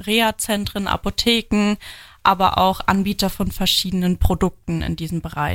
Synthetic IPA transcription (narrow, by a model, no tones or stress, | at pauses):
ʁeːat͡sɛntʁ̥ənʔa̰potʰeːkŋ̩ | ʔaːbɐ̰ʔa̰ʊxʔa̰nbiːtɐfɔnfɛɐʃiːdənənpʁ̥odʊk̚tn̩ɪ̰ndiːzəm̩bəʁaɪ